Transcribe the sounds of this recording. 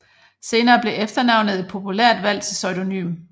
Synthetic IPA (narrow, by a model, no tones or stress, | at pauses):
se̝ːnɐːb̥le̝ʔefd̥ɐnɑ̈ʊnəð̞̩ˠe̝d̥̚pʰo̝pʰulæɐ̰d̥ʋæl̰t͡sʰe̝lsɒʏd̥o̝ny̰ːm